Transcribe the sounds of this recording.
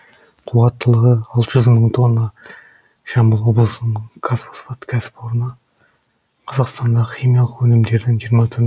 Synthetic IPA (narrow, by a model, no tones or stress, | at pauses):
qʰuɑt̪ːəlˠəʁəɑlˠt̪əʒʏzməɴt̪ʰo̞nːɑ | ʃɑmbəlˠwo̞blˠəsənəɴkʰasfosfot̪kʲʰæsɪ̥poɾənɑ | qʰɑzɑqst̪ɑnd̪ɑəχijmijɑlˠəqwɵnɪmd̪e̞ɾd̪ɪŋʒijəɾmɑt̪ʰʏɾ